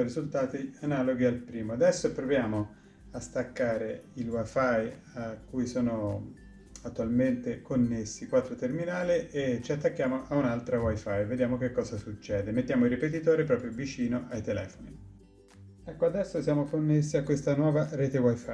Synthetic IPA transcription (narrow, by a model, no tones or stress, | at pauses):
rizult̪aːt̪ianaloɡialpɾiːmoad̪ɛsːopɾovjaːmo | ast̪akːaːɾeilwajfaj | akːujsoːno | at̪ːualment̪ekonːesːikwat̪ːɾot̪erminaːliet͡ʃiat̪ːakːjaːmoʔaunalt̪ɾawajfajved̪jaːmokekːɔːzasut͡ʃːɛːd̪emet̪ːjaːmoilripet̪it̪oːɾipɾɔːpɾjovit͡ʃiːnoʔajt̪elɛːfoni | ɛkːoad̪ɛsːosjaːmokonːesːiakːwest̪anwɔːvaɾɛːt̪ewajfa